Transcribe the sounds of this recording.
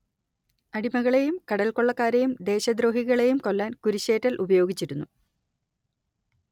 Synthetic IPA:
ɐɽimɐɣɐɭe̞jumkɐɽɐlko̞ɭːɐkːaːɾejumd̪e̞ːɕɐd̪ɾo̞ːhiɣɐɭe̞jumko̞lːaːnkuɾuɕe̞ːtːɐlʔubɐjo̞ːɡit͡ɕːiɾunːu

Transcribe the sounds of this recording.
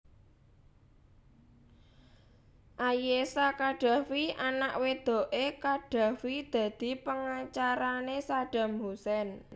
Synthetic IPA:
ʔajesakaɖ̥a̤wianaʔwed̪̥o̤ʔekaɖ̥ä̤wid̪̥ä̤d̪̥i̤pəŋat͡ʃaɾanesaɖ̥a̤mhusɛn

